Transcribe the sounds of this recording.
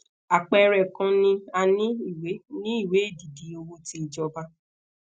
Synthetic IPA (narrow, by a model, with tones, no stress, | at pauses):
a˨k͡pɛ˨˧ɾɛ˨kã˧nĩ˧a˧nĩ˦i˦˨we˨˦nĩ˦i˦˨we˨˦e˦˨di˨di˨o˧wo˧ti˦i˨d͡ʒɔ˧ba˧